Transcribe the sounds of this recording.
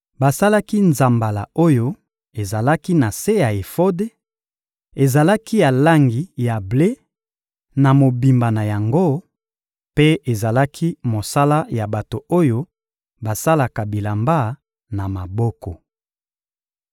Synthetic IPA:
ba˨sa˦la˦ki˦nza˨mba˨la̰˨o˦jo˦ | e˨za˨la˦ki˦na˨se˦ja˨e˨fo˦de˦ | e˨za˨la˦ki˦ja˨la˦ŋɡi˨ja˨ble˦ | na˨mo˨bi˨mba˨na˨ja˨ŋɡo˦ | pe˦e˨za˨la˦kʰi˦mo˨sa˦la˦ja˨ba˨to˨o˦jo˦ | ba˨sa˦la˨ka˨bi˨la˨mba˦ | na˨ma˨bɔ˦kɔ˨

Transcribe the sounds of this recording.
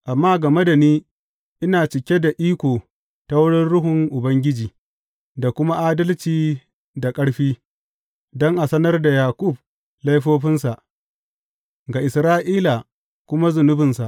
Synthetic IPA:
ʔa˨mːaː˦ɡɐ˨me˦da˨niː˦ | ʔɪ˦naː˨t͡ʃɪ˨kʲe˦da˨ʔiː˦kʷoː˨ | ta˦wʊ˦ɽɪ˦nɽʊ˦ɦʊ˨ŋʔʊ˨bɐ˦ŋɡʲɪ˦d͡ʒiː˨ | da˨kʷʊ˦ma˦ʔaː˦dɐ˦lt͡ʃiː˨ | da˨kʼɐ˦ɽɸiː˦ | dɔ˦ŋʔa˨sɐ˦nɐ˦rda˨jaː˨kʷʼʊ˦˨b̚ | lɐ˦jɸoː˦ɸɪ˦nsa˨ʔ | ɡa˨ʔɪ˨sɾaː˦ʔiː˦la˨ | kʷʊ˦ma˦zʊ˨nʊ˦bɪ˨nsa˨ʔ

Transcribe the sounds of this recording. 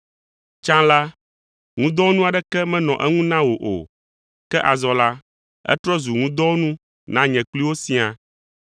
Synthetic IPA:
t͡ʃã˦la˦ | ŋũ˦d̪ɔ˦wo˦nũ˦a˨ɖɛ˦kɛ˦mɛ̃˦nɔ̃˨ʔɛ˦ŋũ˦nã˦wo˨ʔo̰˨ | kɛ˦ʔa˨zɔ˨la˦ | ɛ̰˦t̪ɾɔ˦zu˨ŋũ˦d̪ɔ˦wo˦nũ˦ | nã˦ɲɛ̃˨k͡pli˦wo˦si˨˦a˨

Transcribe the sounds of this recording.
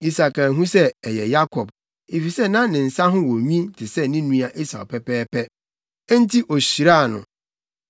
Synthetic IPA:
i˦sa˨ka˨ɦũ˦sɛ˦ɛ˨jɛ̰˨ja˦kʰɔ˨b | e˨fi˨sɛ˦˨nã˦nɪ̃˨n̩˨sa˦ɦʊ̃˦wɔ˨ɲĩ˦tʰɪ˨sɛ˦nĩ˦nũ˦a˨ʔi˦sa̰˨pʰɛ˦pɛː˦pʰɛ˦ | ɛ˦n̩˦tʰi˦ʔo˨ɕi˨ɾa˦˨nʊ̰̃˨

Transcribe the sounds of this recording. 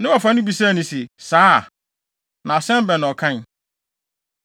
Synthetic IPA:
nɪ̃˦wɔ˨fã˦nʊ̃˦bi˨sa˦˨nĩ˨sɛ˨saː˦˨ | nã˨sɛ̃˦m˦bɛ̃˨ñ˨ɔ˨kʰã˦n

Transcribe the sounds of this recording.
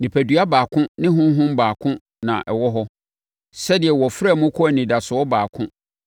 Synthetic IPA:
nĩ˨pʰæ˨dɥa˦baː˨kʰʊ̃˦nɪ̃˦ɦʊ̃˦ɦʊ̃˦m˦baː˨kʰʊ̃˦ | nã̰˨ʔɛ̰˨wɔ˦ɦɔ˦ | sɛ˦dɪ˨ɛ˨wɔ˨fɾa˦˨mʊ̃˦kʰɔ˦æ˨nĩ˨da˨sʊ˨ɔ˦baː˨kʰʊ̃˦

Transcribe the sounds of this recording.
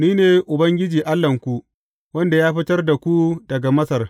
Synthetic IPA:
niː˦neː˨ʔʊ˨bɐ˦ŋɡʲɪ˦d͡ʒiː˨ʔa˦lːɐ˨ŋkʷu˦ | wɐ˦nda˨jaː˦ɸɪ˦tɐ˦rda˨kʷu˦dɐ˨ɡa˨mɐ˦sɐ˨r

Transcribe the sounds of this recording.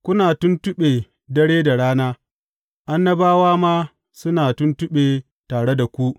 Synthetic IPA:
kʷʊ˦naː˨tʊ˦ntʊ˦ɓeː˨ | dɐ˦ɽeː˦da˨ɽaː˦naː˦ | ʔa˦nːɐ˦baː˦waː˦ma˦ | sʊ˦naː˨tʊ˦ntʊ˦ɓeː˨ | taː˨ɽe˦da˨kʷu˦ʔ

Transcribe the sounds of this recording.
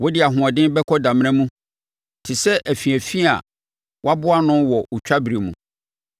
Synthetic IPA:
wɔ˦dɪ˦a˨ɦʊ̃˨a˨dɪ̃˦bɛ˦kʰɔ˦dã˨m̃˦ɛ̃˦mũ˦ | tʰɪ˨sɛ˦ʔæ˨fi˨æ˨fi˦a̰˨ | wa˦bʊ˦a˦nʊ̃˦wɔ˨ʔt͡ɕᶣa˦bɾi˨mṵ̃˨

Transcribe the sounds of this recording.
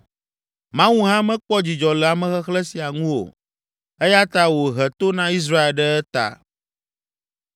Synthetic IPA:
mã˦wu˦ɦã˦mɛ̃˦k͡pɔ˦d͡ʑi˨d͡ʒɔ˨lɛ˨a˨mɛ̃˨xɛ˦xlɛ˦si˨a˨ŋũ˦wo̰˨ | ɛ˦ja˦t̪a˦wo˨ɦɛ˨t̪o˦nã˦i˦s̬ɾa˦e˨lɖə˦ɛ˦t̪a̰˨

